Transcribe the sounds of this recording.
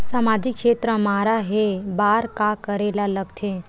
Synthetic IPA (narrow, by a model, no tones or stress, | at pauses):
samaːd͡ʒɪkʃeːt̪ɾəmaːɾaɦebaːɾkakəɾeːlaləɡt̪ʰẽ